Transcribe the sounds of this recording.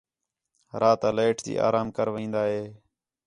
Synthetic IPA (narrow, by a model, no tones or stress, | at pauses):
ɾaːt̪aːleːʈʰt̪ḭːʔa̰ːɾaːmkəɾʋĩːnd̪aːɦeː